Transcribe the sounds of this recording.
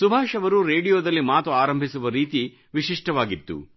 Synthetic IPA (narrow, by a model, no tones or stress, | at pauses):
subʱaːʃɐʋɐɾuɾeːɖijoːd̪ɐlːimaːt̪uaːɾɐmbʱisuʋɐɾiːt̪i | ʋiʂiʂʈɐʋaːɡit̪ːṵ